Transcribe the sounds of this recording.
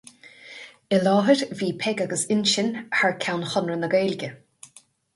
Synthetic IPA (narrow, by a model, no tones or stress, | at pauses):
ɪlɑːɦəɾviːpʰɛɡaɡəsɪnʃɪnhaɹkʲʰawnxɔnɹənəɡeːlɡʲə